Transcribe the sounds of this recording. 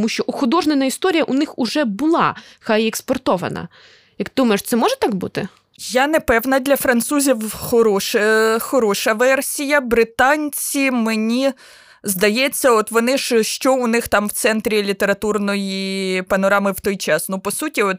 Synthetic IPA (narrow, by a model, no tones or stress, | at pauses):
tmuʃʲt͡ʃɔʔɔxʊd̪ɔʒnenɐist̪ɔɾʲijɐʔʊnɪxʊʐɛbʊlˠɑ̰xɑjɛkspɔrt̪ɔʋɐ̰nɐ̰ | jɐkt̪ɪd̪umɐɪʃt̪sɛmɔʒɛt̪ɑɡbṵt̪ɪ | janɛpɛwnɐd̪ʲlʲɐfɾɐnt̪suzʲiwxɔɾɔʃɛxɔɾɔʃɐʋɛrsʲijɐbɾɪt̪ɑnʲt͡sʲimenʲi | zd̪ɐjɛt͡sʲːɐɔt̪ʋɔnɪʃʃt͡ʃɔʊnɪxt̪ɑmwt̪sɛnt̪ɾʲilʲit̪eɾɐt̪urnɔjipɐnɔɾɑmɪwt̪ɔjt͡ʃɑsnupɔsutʲiɔt̪̚